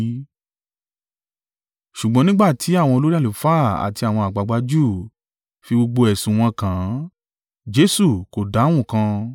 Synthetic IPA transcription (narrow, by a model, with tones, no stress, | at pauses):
ʃu˨ɡ͡bɔ̃˨˦nĩ˦ɡ͡ba˦˨tʰi˨˦a˦˨w̃ɔ̃˧o˧lo˦ɾi˦a˦˨lo˨fa˦˨a̰˨ti˧a˨w̃ɔ̃˧a˨ɡ͡ba˨˧˦ɡ͡ba˧˦d͡ʒuː˦˨ | fi˧ɡ͡bo˧ɡ͡bo˧ɛ˨sũ˨w̃ɔ̃˧kã˨˦ | d͡ʒe˧˦su˦˨ko˨da˨˦w̃ũ˦˨kã˧